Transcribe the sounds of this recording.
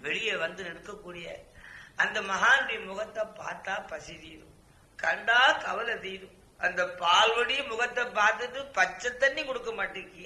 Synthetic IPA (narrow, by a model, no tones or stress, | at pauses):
ʋɛɻɪjeʋɐnd̪ɯnɛɽɯkːɐkːuːɽɪjɐ̰ɐnd̪ɐmɐɦaːnbimʊɣɐt̪ːɐpːa̰ːɾt̪ːaːpɐsɪt̪iːðɯ̰ | kɐɳɖaːkɐʋɐlɐt̪iːðɯ | ʔɐnd̪ɐpaːlʋɐɽimʊɣɐt̪ːɐpːaːɾt̪ɯt̪ːɯpɐt͡ʃːɐt̪ːɐnːikɔɽɯkːɐmaːʈːɯkːi